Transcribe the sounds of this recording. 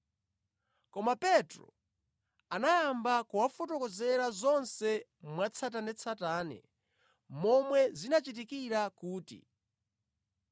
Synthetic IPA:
kɔmapɛtɾɔ̰ | anajambakuwafɔtɔkɔzɛɾazɔnsɛmwat͡sʰat̬anɛt͡sʰataːnɛ̰ | mɔmwɛzinat͡ʃit̬ikiɾakuːtḭ

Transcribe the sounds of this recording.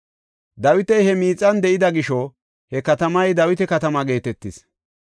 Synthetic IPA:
d̪ɐwɪt̪ɛjhɛmiːt͡sʼːɐnd̪ɛʔɪd̪ɐɡɪʃɔ | hɛkɐt̪ɐmɐjd̪ɐwɪt̪ɛkɐt̪ɐmɐɡe̞ːt̪ɛt̪ːɪs

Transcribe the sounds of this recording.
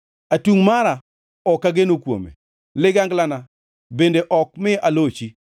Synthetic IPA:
atuŋmaɾa | ɔkːaɡenokwo̰mḛ | lɪɡaŋɡlana | bendeʔɔk̚mɪʔalot͡ʃi

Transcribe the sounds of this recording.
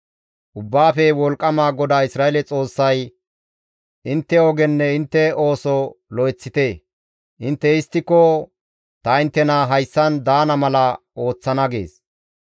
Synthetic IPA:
ʔʊbːaːfɛwɔlkʼːɐmaːɡɔd̪aːɪsɾaːɛlɛt͡sʼo̞ːsːɐj | ʔɪnt̪ːɛɔɡɛnːɛɪnt̪ːɛo̞ːsɔlɔjt͡sːɪt̪eː | ʔɪnt̪ːɛɪst̪ːɪkːɔ | t̪ɐɪnt̪ːɛnaɦɐjsːɐnd̪aːnɐmɐlɐ | o̞ːt͡sːɐnɐɡḛːs

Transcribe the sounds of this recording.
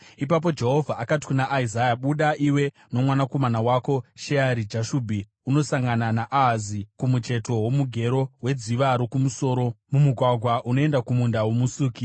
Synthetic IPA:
ipap̬o̞d͡ʒe̞ɦo̞vʱaʔakati̥kunaʔːizajaɓuɗaʔiwe̞ | no̞mwanako̞manawaːko̞ʃeaɾid͡ʒaʃuːbʱi | uno̞saŋɡananaʔaɦazikumut͡ʃe̞to̞wo̞muɡʱe̞ɾo̞ɦwe̞d͡ziʋaɾokumuso̞ːɾo̞mumuɡʱwaɡʱwaʔuno̞e̞ndakumundawomusuːki

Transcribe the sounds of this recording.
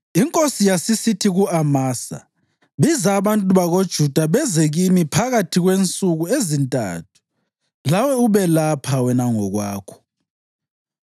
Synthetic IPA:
iŋkʼosijasisitʰiɣuamaːsa̰ | βizaβantʼuβaɣod̥ʒ̥ʱud̥ʱaβɛzeɣimipʰaɣatʰiɣwent͡sʼuɣuezintʼa̰tʰu̥ | lawɛuβɛlapʰawɛnaŋɔɣwaːkʰɔ̥

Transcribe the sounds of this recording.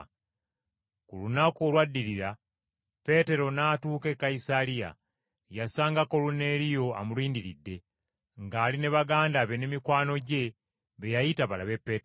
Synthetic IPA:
kulunakolwadːiɾiɾa | pe̞te̞ɾo̞naːtuːke̞kːaisalija̰ | jasaːŋɡako̞lune̞ɾijo̞a̰muliːndiɾidːe̞ | ŋɡaːline̞βaɡaːndaβe̞ne̞mikwaːno̞ɟe̞ | βe̞jajitaβalaβe̞pːeːt

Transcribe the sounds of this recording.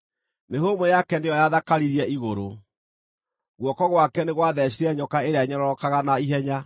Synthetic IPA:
neɦomojakɛndejɔjaðakaɾiɾiɛʔiɣoɾo | ɣwɔkɔɣwakɛneɣwaðɛɕ̬iɾɛɲɔkaeɾeaɲɔɾɔɾɔkaɣanaiɦɛɲa

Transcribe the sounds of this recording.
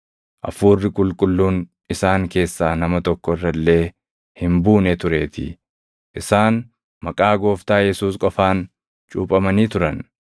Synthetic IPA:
ʔɐ̰fuːrːɪkʼʊlkʼʊlːuːn | ɪsaːŋke̞ːsːaːnɐmɐt̪ɔkːɔɪrːɐlːe̞ː | hɪmbuːnɛt̪ʊɾe̞ːt̪ʰɪ̰ | ʔɪsaːn | mɐkʼaːɡo̞ːft̪aːjɛsuːskʼɔfaːn | t͡ʃʼuːpʼɐmɐniːt̪ʊɾɐn

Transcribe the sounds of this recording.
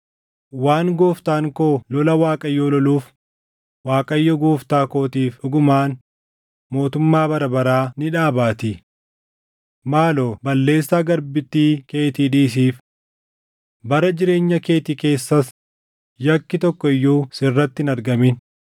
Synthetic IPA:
waːŋɡoːft̪aːŋkoːlɔlɐwaːkʼɐjːoːlɔluːf | waːkʼɐjːɔɡoːft̪aːko̞ːt̪iːfᶑʊɡʊmaːn | mo̞ːt̪ʊmːaːbɐɾɐbɐɾaːnɪᶑaːbaːt̪ɪ | maːloːbɐlːe̞ːsːaːɡɐɾbɪt̪ːiːke̞ːt̪iːᶑiːs̬iːf | bɐɾɐd͡ʒɪɾe̞ːɲːɐke̞ːt̪ike̞ːsːɐs | jɐkːɪt̪ɔkːɔɪjːuːsɪrːɐt̪ːɪnɐɾɡɐmɪn

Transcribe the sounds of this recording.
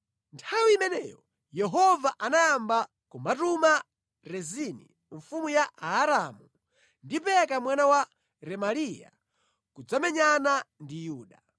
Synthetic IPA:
ntʰawiimɛnɛːjɔ | jɛɦɔvaʔanajamba | kumatuma | ɾɛzinḭ | ɱfumujaːɾamu | ndipɛkamwanawa | ɾɛmalija̰ | kud͡zamɛɲanandijuːɗa

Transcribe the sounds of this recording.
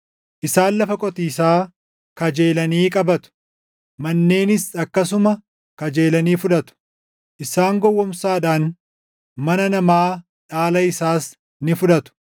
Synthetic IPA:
ʔɪsaːnlɐfɐkʼɔt̪iːs̬aː | kɐd͡ʒe̞ːlɐniːkʼɐbɐt̪ʊ̥ | mɐnːe̞ːnɪsɐkːɐs̬ʊmɐ | kɐd͡ʒe̞ːlɐniːfʊᶑɐt̪ʊ̥ | ʔɪsaːŋɡɔwːɔmsaːᶑaːn | mɐnɐnɐmaː | ᶑaːlɐɪsaːs | nɪfʊᶑɐt̪ʊ̥

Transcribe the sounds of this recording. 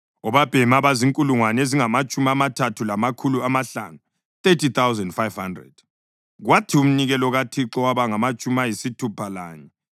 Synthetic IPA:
ɔβab̥ʱɛmaβaziŋkʼuluŋwaneziŋamat͡ʃʼumiamatʰatʰulamakʰuluamaɬa̰ːnu | t̪etʰit̪awzɛndfajv̥handrɛ̰d̥ | ɣwatʰium̩niɣɛlɔɣatʰiǁɔwaβaŋamat͡ʃʼumajisitʰupʰala̰ːɲɛ

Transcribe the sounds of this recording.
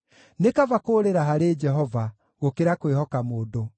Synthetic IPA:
nekavakoːɾeɾaɦaɾed͡ʒɛɦɔva | ɣokeɾakwehɔkamoːdo

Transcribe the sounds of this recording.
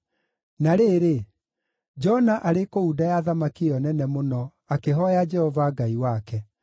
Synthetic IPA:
naɾeɾe | d͡ʒɔnaʔaɾekoudajaðamakiɔnɛnɛmonɔ | akeɦɔjad͡ʒɛhɔvaɡaiwakɛ

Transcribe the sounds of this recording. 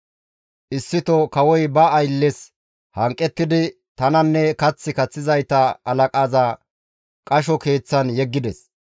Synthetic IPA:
ʔɪsːɪt̪ɔkɐwɔjbɐːjlːɛs | hɐŋkʼːɛt̪ːɪd̪ɪ | t̪ɐnɐnːɛkɐt͡sːɪkɐt͡sːɪzɐjt̪ɐɐlɐkʼaːza | kʼɐʃ̬ɔke̞ːt͡sːɐnjɛɡːɪd̪ɛs

